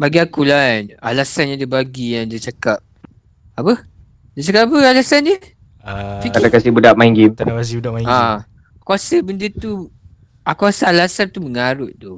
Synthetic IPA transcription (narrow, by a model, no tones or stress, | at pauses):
baɡiakulana̰lasanadəbaɡijaŋdət͡ʃakap̚ | apə | dət͡ʃakap̚apəalasandə | fikat̪akasibudaʔ̚maiŋɡimt̪aawasibudaʔmaa | akuasəbəndət̪u | akuasaalasant̪uməŋaɾʊt̪̚t̪ʊ